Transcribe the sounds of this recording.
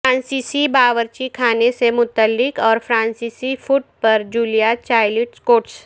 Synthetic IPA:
ɾãːnsiːsibaːʋəɾt͡ʃikʰaːnesemʊt̪əlːɪkɔːɾfɾãːnsiːsifʰʊʈ̚pɐɾd͡ʒuːlijat͡ʃaːɪlɪʈskoːʈs

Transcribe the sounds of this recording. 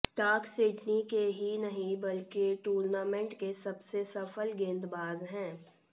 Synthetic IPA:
sʈaːksɪʈnikeɦinɐɦĩbɐlkeʈuːɾnaːmẽɳʈkesɐbsesɐfəlɡẽːnd̪baːzɦɛ̃ː

